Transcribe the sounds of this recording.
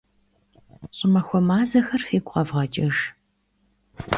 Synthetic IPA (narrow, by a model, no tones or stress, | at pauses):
ɕʼɪmɐxʷɔmaːzɐxɐrfiːɡʷʼqɐvʁɐt͡ʃʼɪʒ